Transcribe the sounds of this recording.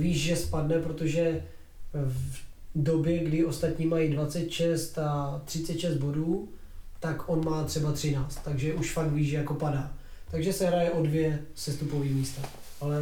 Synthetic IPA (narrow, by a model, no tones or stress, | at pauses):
viːʃʒɛspadnɛpɾot̪oʒɛ | vdo̞bjɛɡdɪʔo̞st̪at̪ɲiːmajidvat͡sɛt̪ʃɛst̪at̪r̥ɪtt͡sɛt̪ʃɛst̪̚bo̞duːt̪akʔo̞nmaːt̪r̥ɛbat̪r̝̥ɪnaːt͡st̪ːaɡʒɛʔuʃfaktviːʒʒɛjako̞padaː | t̪aɡʒɛsɛɦɾajɛʔo̞dvjɛsɛst̪upoviːmiːst̪a | ʔalɛ